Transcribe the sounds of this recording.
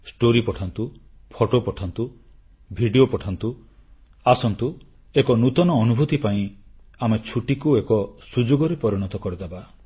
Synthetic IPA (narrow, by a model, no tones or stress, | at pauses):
sʈoɾipɔʈʰant̪u | pʰoʈopɔʈʰant̪u | bʱiɖiopɔʈʰant̪u | asɔnt̪u | ekɔnut̪ɔnɔːnubʱut̪ipaĩ | amet͡ʃʰuʈikuekɔsud͡ʒoɡɔɾepɔɾiɽ̃ɔt̪ɔkɔɾed̪aba